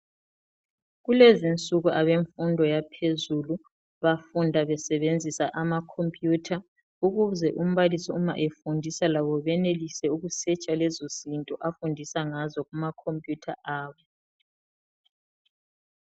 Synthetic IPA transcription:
ɣulɛzint͡sʼuɣuʔaβeɱfundʱɔjapʰezulu | βafundʱaβɛsɛβend͡zʱisaʔamakʰompʼjutʰa | uɣuzɛʔum̩βalisɔuma̰ʔefundʱisalaβɔβɛnelisɛuɣusɛt͡ʃʼalɛzozintʼɔʔafundʱisaŋazɔɣumakʰompʼjutʰa̰ʔaːβɔ

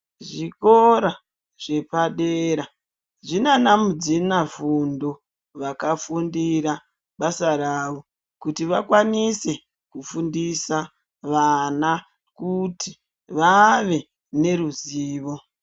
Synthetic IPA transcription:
ʐikoɾa | ʐe̞paɗeɾa | ʐinanamud͡zinafundo | ʋakafundiɾa | ɓasaɾaːʋo̞ | kutiʋakwanise̞ | kufundisa | ʋana | kuti | ʋaʋe̞ | ne̞ɾuziːʋo̞

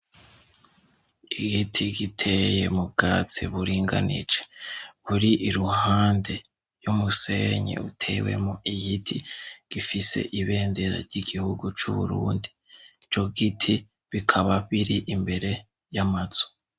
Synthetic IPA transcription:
iɡitʰiɡitʰeje̞̰mub̚ɡaːt͡sḭβuɾiːŋɡa̰nḭd͡ʒeβuɾiʔiɾuhaːnde̞ | jumuse̞ɲḛutʰe̞ːwe̞̰muijitʰiɡ̥ifise̞̰ʔiβe̞ːnde̞ɾa̰ɾɟiɡihuɡut͡ʃuβṵɾṵːndi | t͡ʃo̞ɡitʰi | βikʰaβaβiɾiʔimbe̞ɾe̞ | jamaz̥o̥

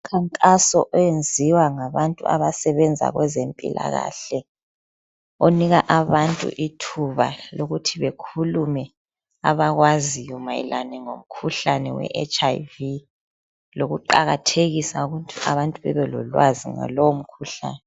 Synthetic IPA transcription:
kʰaŋkʼasɔʔɔjend͡zʱiwaŋaβantʼṵa̰βasɛβɛnd͡zʱa̰ɣwɛzempʼḭla̰ɣaːɬɛ | oniɣaʔaβantʼṵʔitʰuβa̰loɣutʰiβekʰulumɛ | a̰βaɣwazijɔmajḭlanɛŋom̩kʰuɬanɛwɛ̰ʔɛ̰t͡ʃʰʼajvi | loɣuǃaɣatʰeɣisauɣuntʼuaβantʼuβɛ̰βɛlɔ̰lwazḭŋa̰lowom̩kʰuɬa̰ːnɛ

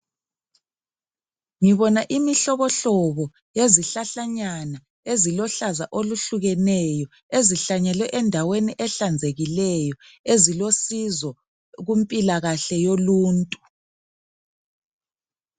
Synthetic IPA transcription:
ŋiβɔnaʔimiɬɔβɔɬɔβɔ | jeziɬaɬaɲana | ezilɔɬazaʔoluɬuɣɛnɛjɔ | eziɬaɲɛlwɛʔɛndʱaweniʔɛɬand͡zʱeɣilɛjɔ | ezilosizɔ | ɣumpʼilaɣaɬɛjoluːntʼu

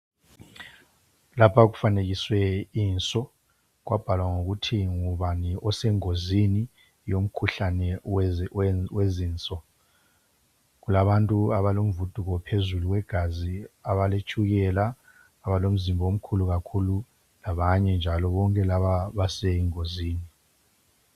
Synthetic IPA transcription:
lapʰaɣufaneɣiswɛiːnt͡sʼɔ | ɣwʔab̥ʱalwaŋoɣutʰiŋuβaniʔɔsɛŋozini | jom̩kʰuɬanɛw | weziːnt͡sʼɔ | ɣulaβantʼuaβalom̩vud̥ʱuɣɔpʰezuluwɛɡ̥ʱaziaβalet͡ʃʰʼuɣɛlaː | βalom̩zimbʱɔom̩kʰuluɣakʰulu | laβaɲɛnd͡ʒʱalɔβɔŋkʼɛlaβaβasɛiŋoziːni

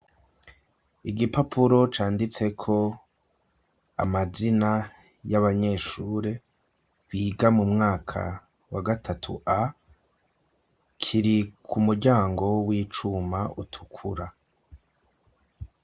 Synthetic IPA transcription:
iɡipapʰuɾo̞t͡ʃaːndit͡se̞kʰo̞ | a̰mazina | jaβaɲe̞ːʃuːɾe̞ | βiːɡamumŋaːkʰa̰ | waɡatʰatʰṵʔa | kʰiɾikʰumuɾɟaːŋɡo̞wiːt͡ʃumautʰu̥kʰuɾa

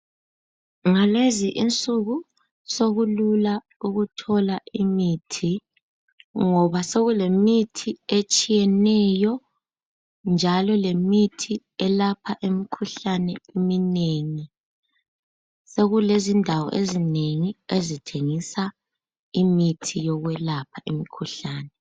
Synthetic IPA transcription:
ŋaleziʔint͡sʼuɣu | soɣulula | uɣutʰɔlaʔimiːtʰi | ŋɔβaseɣulemitʰiet͡ʃʼijɛnɛjɔ | nd͡ʒʱalɔlemitʰi | ɛlapʰaʔemikʰuɬanɛimineŋi | seɣulezindʱawɔ̰ʔezineŋiezitʰeŋisa | imitʰijɔɣwɛlapʰaʔemikʰuɬaːnɛ

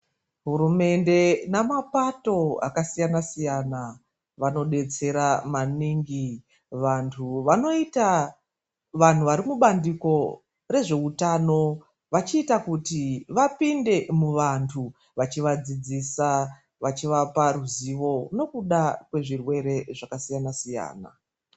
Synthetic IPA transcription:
ɦuɾume̞nde̞namapato̞a̰kasijanasijana | ʋano̞ɗe̞t͡se̞ɾamaniŋɡi | ʋantʰuʋano̞ita | ʋan̤uʋaɾimuɓandiko̞ | re̞ʐe̞utano̞ | ʋat͡ʃiːtakutiʋapinde̞muʋantʰu | ʋat͡ʃiʋad͡zid͡zisa | ʋat͡ʃiʋaparuziʋo̞no̞kuɗakwe̞ʐirwe̞ɾe̞ʐakasijanasija̰ːna̰

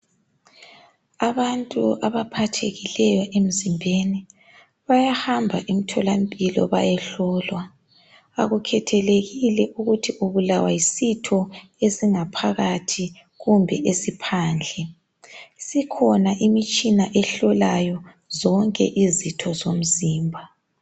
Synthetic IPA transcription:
aβantʼuʔaβapʰatʰeɣilɛjɔʔem̩zimbʱeni | βajahambʱaʔimitʰɔlampʼilɔ̰βa̰jɛɬɔːlwa | a̰ɣukʰɛtʰɛleɣilɛʔuɣutʰiʔuβulawajisitʰɔesiŋapʰaɣatʰi | ɣumbʱɛʔesipʰaːnd͡ɮʱɛ | sikʰɔnaʔimit͡ʃʼinaʔɛɬɔlajɔ | zɔŋkʼɛ̰ʔizitʰɔzom̩ziːmbʱa

